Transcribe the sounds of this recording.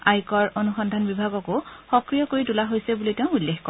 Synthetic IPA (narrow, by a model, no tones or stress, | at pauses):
ajkɔɹonuxɔndʱanbibʱaɡɔkʊxɔkɹijɔkoɹitulaɦojsɛbuliteʊ̃ulːexkɔ